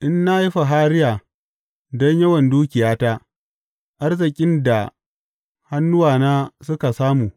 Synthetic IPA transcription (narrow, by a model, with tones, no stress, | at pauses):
ʔɪ˦nːa˦ji˦ɸa˨ɦaː˦ɾɪ˦jaː˨ | dɔ˦ɲjɐ˦wɐ˨nduː˦kʲɪ˨jaː˦taː˦ | ʔa˦rzɪ˨kʲʼɪ˦nda˨ | ha˦nːʊ˦waː˨naː˦sʊ˦ka˨saː˦muː˨